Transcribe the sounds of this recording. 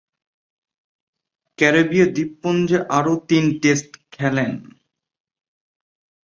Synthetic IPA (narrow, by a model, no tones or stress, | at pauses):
kɛɾebiad̪ipːond͡ʑeʔaɾot̪inʈesʈkʰɛlen